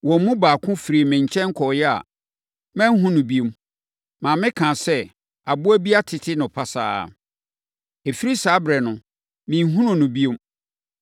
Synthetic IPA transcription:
wɔ̃˨˦mũ˦baː˨kʰʊ̃˦fɾi˨mɪ̃˨ɲ˨t͡ɕʰɛ̃˦ŋ̩˦kʰɔ˨jɛ˦a̰˨ | mɛ̃˦n˦ɦũ˦nʊ̃˨bi˦o˦m | mãː˨mɪ̃˦kʰãː˨sɛ˦ | a˨bʊ˦æ˦bi˦a˦tʰɪ˨tʰɪ˦nʊ̃˨pʰa˦sa̰ː˦˨ | e˨fi˦ɾi˦saː˨˦bɾɛ˨nʊ̃˨ | mĩ˨˦ɦũ˦nʊ̃˦˨nʊ̃˨bi˦e˦m

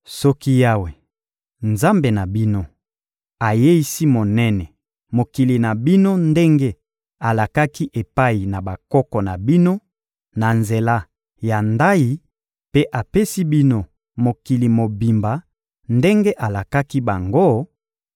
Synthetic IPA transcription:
sɔ˦ki˦ja˦we˨ | nza˦mbe˨na˨bi˦no˦ | a˨je˦i˦si˦mo˨nɛ˦nɛ˨ | mo˨ki˨li˨na˨bi˦no˦nde˦ŋɡe˦ | a˨la˨ka˦ki˦ʔe˨pa˦i˨na˨ba˨kɔ˦kɔ˨na˨bi˦no˦ | na˨nze˨la˦ | ja˨nda˦i˦ | pe˦ʔa˨pe˦si˦bi˦no˦ | mo˨ki˨li˨mo˨bi˨mba˨ | nde˦ŋɡe˦ʔa˨la˨ka˦ki˦ba˨ŋɡo˦

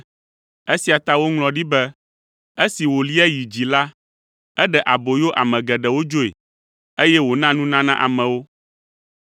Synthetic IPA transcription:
e˦si˨a˨t̪a˦wo˦ŋlɔ̃˨ɖi˦bɛ˦ | e˦si˨wo˨li˦ɛ˦ji˨d͡ʑi˨la˦ | ɛ˦ɖɛ˨ʔa˨bo˨jo˦ʔa̰˨mɛ̃˨ɡɛ˨ɖɛ˨wo˦d͡ʒo˦ḛ˨ | e˦jɛ˦wo˨nã˦nũ˦nã˦nã˦ʔa̰˨mɛ̃˨wo˦

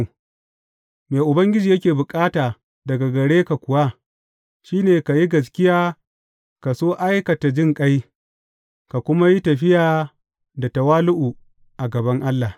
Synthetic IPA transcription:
meː˨ʔʊ˨bɐ˦ŋɡʲɪ˦d͡ʒiː˨jɐ˦kʲeː˨bʊ˨kʼaː˦taː˨ | dɐ˨ɡa˨ɡɐ˨ɽeː˦ka˨kʷʊ˨wa˦ | ʃiː˦neː˨ka˨ji˦ɡɐ˨s̬kʲɪ˦jaː˦ | ka˨soː˦ʔa˦jkɐ˨ta˨d͡ʒɪ˦˨ŋkʼa˦j | ka˨kʷʊ˦ma˦ji˦tɐ˨ɸɪ˦jaː˨ | da˨tɐ˨waː˦lʊ˦ʔu˨ | ʔa˨ɡɐ˨bɐ˦ŋʔa˦lːa˨

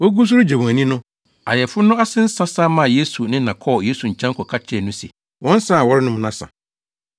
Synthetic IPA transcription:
wɔ˦ɡu˦s̬ʊ˦ɾʊ˦d͡ʑa˨mũ˨æ̃˨nĩ˦nʊ̃˦ | a̰˨jɛ˨fʊ˦nʊ̃˦a˦sɪ̃˦n̩˦sã˦sa˦mã˦˨je˦su˨nɪ̃˦nã˨kʰɔ˦˨je˦su˨ɲ̩˨t͡ɕʰɛ̃˦ŋkʰɔ˨kʰa˦t͡ɕʰɪ˦ɛ˨nʊ̃˦sɛ̰˨ | wɔ̃˦n˦sã˦a˨wɔ˦ɾɪ˦nʊ̃˦m˨nã˦sã̰˨

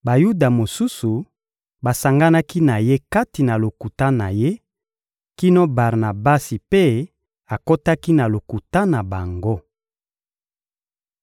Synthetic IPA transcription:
ba˨ju˦da˨mo˨su˦su˨ | ba˨sa˨ŋɡa˦na˦ki˦na˨je˦ka˦ti˨na˨lo˨ku˨ta˦na˨je˦ | ki˦no˦ba˨ʁna˨ba˦si˨pe˦ | a˨ko˦ta˦ki˦na˨lo˨ku˨ta˦na˨ba˨ŋɡo˦

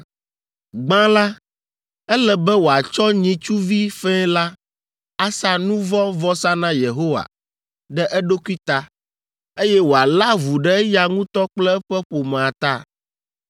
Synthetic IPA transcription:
ɡ͡bã˦la˦ | ɛ˦lɛ˨bɛ˦wo˨a˨t͡ʃɔ˦ɲĩ˨t͡ʃu˦vi˦fɛ˦la˦ | a˦sa˦nũ˦vɔ˦vɔ˦sa˦nã˦je˨ɦo˦wa̰˨ | ɖɛ˦ʔɛ˦ɖo˦ku˦i˦t̪a˦ | e˦jɛ˦wo˨a˨la˦vu˨ɖɛ˦ja˨ŋũ˦t̪ɔ˦k͡plɛ˦ɸɛ˦ɸo˨mɛ̃˨a˨t̪a˦˨

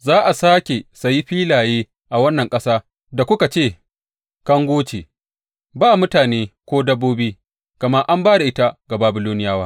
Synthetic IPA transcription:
zaː˦ʔa˨saː˦kʲe˨sa˨ji˦ɸiː˦laː˨jeː˦ | ʔa˨wɐ˦nːɐ˨ŋkʼɐ˦saː˦ | da˨kʷʊ˦ka˨t͡ʃeː˦˨ | kɐ˦ŋɡʷoː˦t͡ʃe˨ | baː˦mʊ˦taː˨neː˦kʷoː˦dɐ˦bːoː˦biː˦ | kɐ˨mɐ˦ʔa˦mbaː˦da˨ʔɪ˦ta˦ɡa˨baː˨bɪ˨loː˦nɪ˦jaː˦waː˦

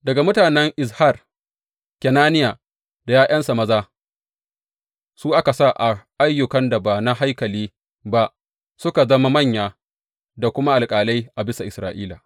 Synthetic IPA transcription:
dɐ˨ɡa˨mʊ˦taː˨nɛ˦ŋʔɪ˨s̬ha˦˨r | kʲɛ˨naː˦nɪ˦ja˨ | d̥a˨jaː˦ʔɐ˦nsa˨mɐ˦zaː˦ | suː˦ʔa˦ka˨sa˦˨ʔa˨ʔa˦jːʊ˨kɐ˦nda˨ba˨na˦ɦa˦jkɐ˨liː˦ | ba˦ʔ | sʊ˦ka˨zɐ˦ma˦mɐ˦˨ɲjaː˨ | da˨kʷʊ˦ma˦ʔa˨lkʼaː˨la˦jʔa˨bɪ˦sa˨ʔɪ˨sɾaː˨ʔiː˦la˨

